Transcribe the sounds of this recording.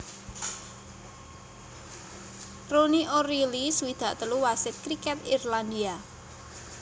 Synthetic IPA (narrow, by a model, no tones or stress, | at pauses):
roniʔoɾiliswid̪̥ä̤ʔt̪əluwasɪt̪̚kɾikɛt̪irland̪ia